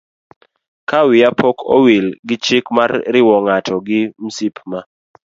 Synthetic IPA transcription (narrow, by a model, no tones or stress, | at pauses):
kawɪapɔkʰo̰wilɡɪt͡ʃɪkmarːɪwɔŋatʰɔɡɪm̩sipma